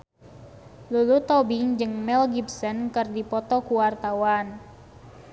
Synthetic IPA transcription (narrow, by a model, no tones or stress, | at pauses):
lulut̪ɔbiŋd͡ʒɨŋmɛlɡibsənkɨrdipɔt̪ɔkuwart̪awan